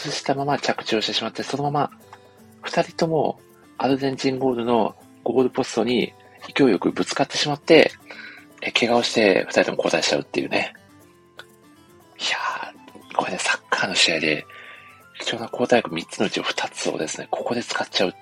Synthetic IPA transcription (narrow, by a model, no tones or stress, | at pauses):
sɨɕi̥t̪amamat͡ɕakɯ̟̥t͡ɕo̞ːɕi̥t̪e̞ɕimat̪ːe̞so̞nomama | ɸɯ̟̥t̪aɾʲit̪o̞mo̞̰ | aɾozẽ̞ɲ̟d͡ʑĩŋɡo̞ːɾɯ̟no̞̰ | ɡ̥o̞ːɾɯ̟po̞sɨ̥t̪o̞ɲ̟ḭ | ikʲojo̞kɯ̟bɯ̟t͡sɨ̥kat̪ːe̞ɕimat̪ːe̞ | ekʰe̞ɡao̞ɕi̥t̪e̞̰ɸɯ̟̥t̪aɾʲit̪o̞mo̞ko̞ːt̪aiɕi̥t͡ɕa̰ɯ̟t̪ːe̞jɯ̟ːne̞̰ | ja | kʰoene̞sḁkːaːno̞ɕiaid̪e̞̰ | kʲi̥t͡ɕo̞ːnakʰo̞ːt̪ajkɯ̟mʲitt͡sɨnoɯ̟t͡ɕioɸɯ̟̥t̪ʰat͡sɨo̰d̪e̞sɨne̞̰kʰo̞̥ko̞d̪e̞t͡sɨ̥katt͡ɕaɯ̟